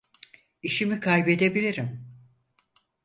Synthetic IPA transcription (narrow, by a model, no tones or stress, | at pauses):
iʃimikʰajbe̞d̪ebilʲiɾim